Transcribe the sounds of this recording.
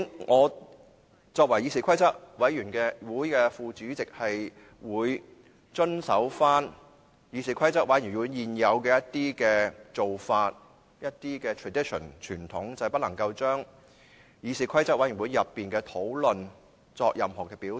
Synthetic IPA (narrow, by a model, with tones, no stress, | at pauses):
ŋɔː˨˧ | t͡sɔː˧k̚wɐ˨˩jiː˨˥siː˨kʰɐ˥jt͡sɐ˥k̚wɐ˨˥jjyː˨˩nkɛː˧wuː˨˥jkɛː˧fuː˨˧t͡syː˨˥t͡sɪ˨k̚hɐ˨j | wuː˨˧j | t͡sɵ˥nsɐ˨˥wfaː˥n | jiː˨˧siː˨˩kʰɐ˥jt͡sɐ˥t̚wɐ˨˥jyː˨˩wuː˨˧˥jjiː˨˩njɐ˨˧wkɛː˧jɐ˥t̚t̪iː˥kɛː˧t͡so˨wfaː˧t̚ | jɐ˥t̚t̪iː˥kɛː˧t̪ʰɹɛ˨d̪ɪ˥t͡ʃʰɔ̰˨˩nt͡ʃʰyː˨˩nt̪ʰʊ˨˥ŋt͡sɐ˨jpɐ˥t̚lɐ˨˩ŋkɐ˧wt͡ʃœː˥ŋ | jiː˨˧siː˨˩kʰɐ˥jt͡sɐ˥k̚wɐ˨˥jy˨˩wu˨˥jɐ˨pːiː˨nkɛː˧t̪ʰo˨˥wlɵ˨n | t͡sɔː˧k̚jɐ˨mɦɔː˨˩kɛ˧piː˨˥w